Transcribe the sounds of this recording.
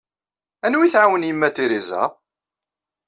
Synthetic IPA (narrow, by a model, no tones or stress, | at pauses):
ænwiθʕawənjəmːæt̪ːiɾizæ̰